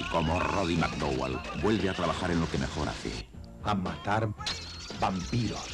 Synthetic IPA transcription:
ikomoroðimak̚d̪owa̰lbwe̞lβeat̪ɾaβaxaɾenlokemexo̞ɾa̰θḛ | amat̪aɾ | bampiɾos

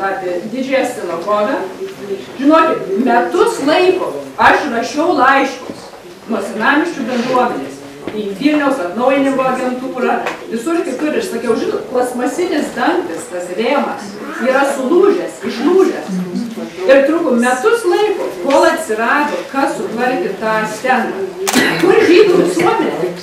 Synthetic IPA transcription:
ɑːpʲɪd̪ʲɪd͡ʒʲɛːst̪ʲɪlʲˠoɡoːʋʲɛ | ʒʲɪnoɔkʲɪt̪mʲɛt̪ʊslˠɐɪkoːɐʃrɐʃʲɛʊlˠɐɪʃkoːs | noːsʲɪnɑːmʲɪʃʲt͡ʃʲʊbʲɛnd̪ɾuɔmʲɛnʲeːs | iːʋʲiːlʲnʲɛʊsɐt̪nɐʊjɪnʲɪmɡoːɐɡʲɛnt̪uːɾɐʋʲɪsʊrk̪ʲɪt̪ʊɾʲɪʃsɐkʲɛʊʒʲɪnoːt̪klˠɐsmɐsʲɪnʲɪsd̪ɐŋkt̪ʲɪst̪ɐsrʲeːmɐs | iːɾɐsʊlˠuːʒʲɛsɪʃlˠuːʒʲɛs | ɪrt̪ɾuːkomʲɛt̪ʊslˠɐɪkoːkoːlˠɐt̪ʲsʲɪɾɑːd̪oːkɐsʊt̪ʋɐlʲk̪ʲɪt̪ɑːsʲt̪ʲɛnɑ̰ːkʊrʒʲiːt̪oʋʲɪsuɔmʲɛnʲɛs

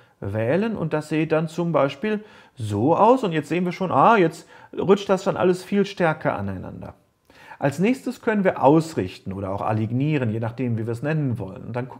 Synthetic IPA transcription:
vɛːlənʊ̰nt̚d̥asz̥eːəd̥ant͡sʊmbaɪʃpiːl | zoːʔaʊsʊntjɛt͡stzeːənviːɐʃoːnʔaːjɛt͡st | ʁʊt͡ʃt̚d̥asd̥anʔa̰ləsfiːlʃtɛɐkʰɐ̰ʔa̰naɪna̰ndɐ̰ | ʔalsnɛːçstəskʰœnənviːɐʔaʊsʁɪçtn̩ʔoːɾɐ̰a̰ʊxʔa̰liɡniːʁ̞ənjeːnaχd̥eːmviːɐviːɐɛsnɛnənvɔ̰lə̰nʊntd̥an

